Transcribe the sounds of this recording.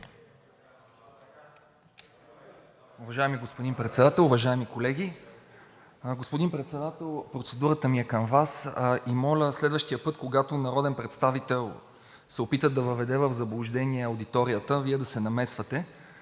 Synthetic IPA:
ʊvɐʒaɛmiɡospod̪inpɾɛt̪sɛd̪at̪ɛlˠʊvɐʒaɛmikolɛɡ̟ʲi | ɡospʊd̪inpɾɛt̪sɛd̪at̪ɛlˠpɾot̪sɛd̪uɾət̪əmiɛkəmvasimɔlʲəslɛd̪vəʃt̪ijəpɤt̪koɡat̪onɐɾɔd̪ɛnpɾɛt̪st̪avit̪ɛlˠ | sɛopit̪əd̪ɐvəvɛd̪ɛvəvzɐblˠʊʒd̪ɛniɛɐwd̪it̪ɔɾijət̪əviɛd̪ɐsɛnɐmɛsvət̪ɛ

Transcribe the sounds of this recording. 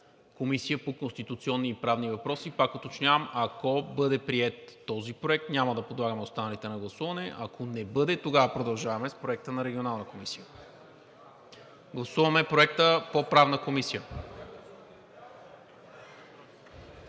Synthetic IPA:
komisijəpokonst̪it̪ut̪siɔnːiːpɾavnivɐpɾɔsipakot̪ot͡ʃnʲavɐmɐkɔbɤd̪ɛpɾiɛt̪ːɔzipɾoɛk̚t̪nʲaməd̪ɐpod̪lˠaɡəmɛot̪st̪anɐlit̪ɛnɐɡlˠɐsuvɐnɛʔakʰonɛbɤd̪ɛt̪oɡavəpɾod̪ɐlˠʒavɐmɛspɾoɛk̚t̪ənɐɾɛɡʲionalˠnəkomisijə | ɡlˠɐsuvɐmɛpɾoɛk̚t̪əpopɾavnəkomisijə

